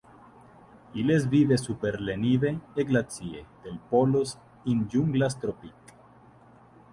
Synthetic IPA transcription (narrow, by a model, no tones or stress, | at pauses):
iles̬vivesupeɾleniveeɡlat͡siḛd̪̥elpolos | ind͡ʒuŋɡlast̪ɾopik